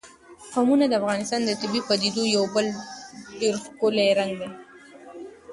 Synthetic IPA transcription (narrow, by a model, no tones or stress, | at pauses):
famunad̪əafɣɑnɪst̪ɑnd̪ət̪ɪbipad̪id̪ojawbəlɖeɾkoleɾaŋɡd̪e